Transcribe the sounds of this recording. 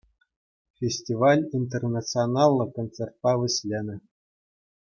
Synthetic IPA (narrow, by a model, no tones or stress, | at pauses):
fʲesʲtʲivɑlʲinʲt̪̬ʲernasɨonɑlˠːɤ̆kont̪t͡sert̪̚pɑʋɘ̆ɕʲlʲenʲɘ̆